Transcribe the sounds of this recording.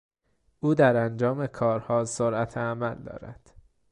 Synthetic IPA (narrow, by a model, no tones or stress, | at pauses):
ʔuːd̪æɾænd͡ʒɒːme̞kʰɒːɾhɒːsoɾʔæt̪ʰeæmæld̪ɒ̰ːɾæ̰d̪̥